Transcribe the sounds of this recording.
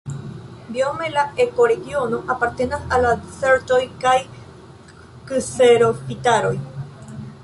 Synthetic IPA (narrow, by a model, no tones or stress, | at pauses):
biomelaeko̞ɾe̞ɡio̞no̞ʔapaɾt̪e̞nasalːadise̞ɾto̞jkaj | kɨseɾo̞fitaɾo̞j